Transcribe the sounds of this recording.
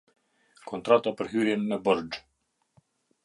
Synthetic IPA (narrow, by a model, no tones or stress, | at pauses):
kʰɔnt̪ɾat̪apəɾɦyɾjɛnmɛbɔɾd͡ʒ